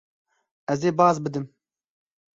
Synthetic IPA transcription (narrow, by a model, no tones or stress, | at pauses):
ɛzeːbɑːzbɨd̪ɨm